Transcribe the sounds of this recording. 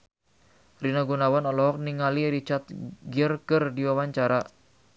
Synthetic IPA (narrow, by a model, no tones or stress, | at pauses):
rinaɡunawanɔlɔɦɔk̚niŋaliɾit͡ʃat̪̚ɡiərkərdiwawaɲt͡ʃaɾa